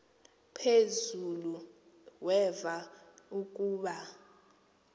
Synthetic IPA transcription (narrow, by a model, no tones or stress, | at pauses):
pʰezulu | wɛva | uk̬ʼuːɓa